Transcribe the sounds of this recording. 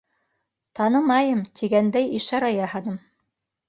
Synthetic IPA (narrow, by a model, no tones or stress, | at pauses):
t̪ɑnɤmɑjɤmt̪ʰiɡænd̪æjiʃɑɾɑjɑhɑnɤm